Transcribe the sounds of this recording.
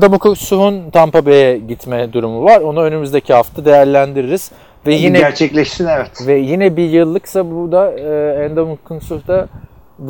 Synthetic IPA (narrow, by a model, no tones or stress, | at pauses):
d̪amukusuɦunt̪ʰampabejɛɟit̪mɛd̪uɾumuvaɾo̞nuø̞nymyzd̪ecʰihaft̪ʰad̪e̞jæɾlʲænd̪iɾiɾiz̥ | vɛjinɛæɾt͡ʃʰɛclʲɛʃsinɛvɛt̪vɛjinɛbijɯlˠːɯksabud̪aɯːænd̪amukʰunsuhd̪a | d̪